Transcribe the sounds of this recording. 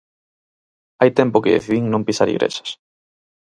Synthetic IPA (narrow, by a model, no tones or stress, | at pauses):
ajt̪ɛmpʊkḛḛθðiŋnõmpisaɾḭɣɾʔḛʃḁs